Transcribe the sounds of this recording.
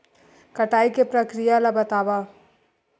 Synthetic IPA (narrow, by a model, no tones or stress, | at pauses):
kɐʈaːikepɾɐkɾijalabɐt̪aːʋa